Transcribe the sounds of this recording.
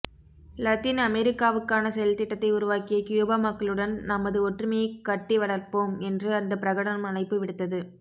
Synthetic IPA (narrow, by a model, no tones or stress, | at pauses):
lɐt̪ɪnɐmɛɾɪkːaːʋɯkːaːnɐsɛjɐlt̪ɪʈːɐt̪ːɐɪʊɾʊʋaːkɪjɐkjoːbaːmɐkːɐɭɯɽɐnnɐmɐðɯɔʈrɯmɐjɐɪkːɐʈːiʋɐɽɐɾpoːmɛndrɯɐnd̪ɐpɪɾɐɣɐɽɐnɐmɐnɐɪpːɯʋɪɽɯt̪ːɐðɯ